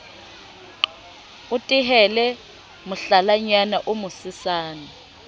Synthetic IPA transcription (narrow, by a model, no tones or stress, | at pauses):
utʼiɦɛlɛ | mʊɬalaɲanaʔumʊsɪsaːna